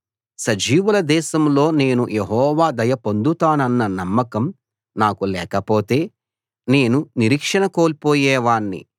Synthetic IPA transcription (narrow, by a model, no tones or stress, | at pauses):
sɐd͡ʒiːʋɐlɐd̪ɛːʃɐmlo̞ːne̞ːnujeɦɔːʋaːd̪ɐjɐpo̞nd̪ut̪aːnɐnːɐnɐmːɐkɐm | naːkulɛːkɐpo̞ːt̪e̞ː | ne̞ːnuniɾiːkʂɐnɐko̞ːlpoːjɛːʋaːɳːḭ